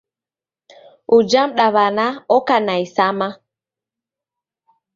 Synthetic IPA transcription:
ud͡ʒamɗaβanaɔkanajsama

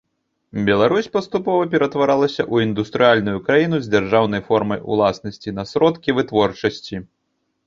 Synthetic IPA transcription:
bʲɛlˠaɾusʲpɐst̪upɔvɐpʲɛɾɐt̪vaɾalˠɐsʲɐʔuind̪ust̪ɾɨjalʲnujukɾajinuzʲd͡zʲarʐawnɐjfɔrmɐjṵlˠasnɐsʲt͡sʲinɐsɾɔt̪kʲivɨt̪vɔrt͡ʂɐsʲt͡sʲi

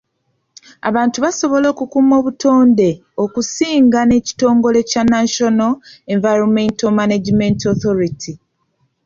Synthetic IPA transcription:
a̰βaːntuβaso̞βo̞lo̞ːkukuːmo̞ːβutʰo̞ːnde̞ | o̞kusiːŋɡane̞ci̥to̞ːŋɡo̞le̞canaʃo̞noe̞ɱvajɾomentomanad͡ʒimentoθoɾitʰi

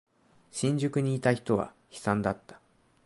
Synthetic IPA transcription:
ɕĩɲ̟d͡ʑɨkɯ̟ɲ̟iːt̪açi̥t̪o̞βa̰ | çi̥sãnd̪at̪ːḁ

